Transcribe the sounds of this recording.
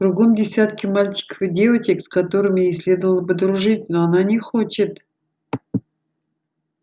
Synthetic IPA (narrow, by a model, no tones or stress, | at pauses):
d̪̥ɾuɡomdʲɪsʲat̪kʲɪmalʲtʲi̥kəvɨdʲevət͡ɕɪkskat̪oɾɨmʲijesʲlʲe̞d̪əvəlˠəbəd̪ɾuʐɨtʲnoɐnɑnʲexot͡ɕɪt̪